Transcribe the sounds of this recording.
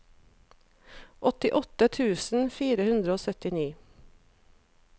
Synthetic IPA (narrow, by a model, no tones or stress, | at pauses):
ʔɔt̪ɪʔɔt̪ət̪ʰʉːsn̩fiːɾəhʉnd̪ɾəoːsœt̪ɪniː